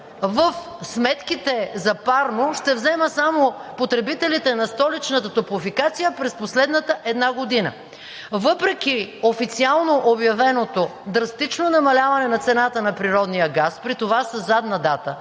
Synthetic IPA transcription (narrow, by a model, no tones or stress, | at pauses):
vəfsmɛt̪kit̪ɛzɐpaɾnoʃt̪ɛvzɛməsamopot̪ɾɛbit̪ɛlit̪ɛnɐst̪ɔlit͡ʃnət̪ət̪oplˠofikat̪sijəpɾɛsposlɛd̪nət̪əʔɛd̪naɡod̪inə̰ | vɤpɾɛk̟iofit̪sialˠnoʔobjɐvɛnot̪od̪ɾɐst̪it͡ʃnonɐmɐlʲavɐnɛnɐt̪sɛnat̪ənɐpɾiɾɔd̪nijəɡaspɾit̪ovasəzːad̪nɐd̪at̪ə